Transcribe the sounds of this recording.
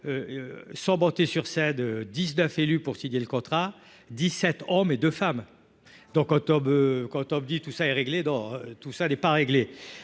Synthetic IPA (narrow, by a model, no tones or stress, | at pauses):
øsɑ̃bɔ̃t̪esyʁsɛnød̪iznœfelypuʁsiɲeləkɔ̃t̪χa | d̪isɛt̪ɔmed̪øfam | d̪ɔ̃kɑ̃t̪ɔmøkɑ̃t̪ɔmd̪it̪usaɛʁeɡled̪ɔ̃t̪usanɛpaʁeɡle